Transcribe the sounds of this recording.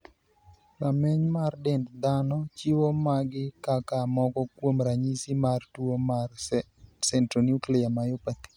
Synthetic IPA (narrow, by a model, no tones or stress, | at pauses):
kamɛɲmardɛndd̪anɔt͡ʃiwomaɡɪkakamɔkɔkwomɾaɲisimartwoma | sɛntɾonuklɛjamajopat̪i̥